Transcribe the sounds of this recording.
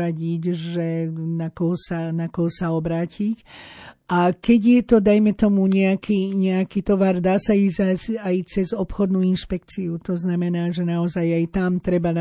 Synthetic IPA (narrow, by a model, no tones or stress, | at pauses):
aɟiɟʒɛnakɔɦɔsanakɔɦɔsaɔbɾaːcʰicʔakɛɟjɛt̪ɔd̪ajmɛt̪ɔmuɲɛakiːɲɛakit̪ɔʋaɾd̪aːsaizasajt͡sɛzɔpxɔd̪nuinʃpɛkt͡siut̪ɔznamɛnaːʒɛnaɔzajajt̪amt̪ɾɛbana